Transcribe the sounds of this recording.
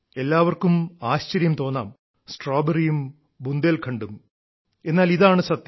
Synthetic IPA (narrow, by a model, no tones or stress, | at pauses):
e̞lːaːʋɐrkumaːɕt͡ɕɐɾjɐmt̪o̞ːnːaːm | sʈroːbɐrijum | bund̪eːlkʰɐɳɖum | e̞nːaːliðaːɳɨsɐt̪jɐ